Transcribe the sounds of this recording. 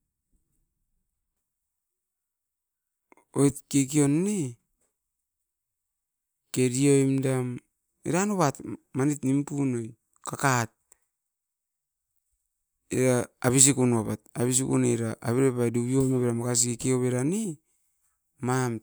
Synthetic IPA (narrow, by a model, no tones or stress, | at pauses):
ojtkekio̞nːi | ke̞ɾio̞jmdam | ḭɾanoβatmanitnimpunoj | kakat̚ | ḭɾaaβis̬ikunβapataβis̬ikṵneɾaʔaβiɾepajduβio̞jmaβeɾamakas̬ikekeoβeɾani | mam